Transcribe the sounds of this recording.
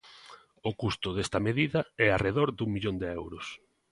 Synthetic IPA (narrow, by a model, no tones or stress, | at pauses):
ʊkust̪ʊðest̪ɐmeðiðɐɛareðoɾd̪uŋmiʎond̪ɪɛwɾʊs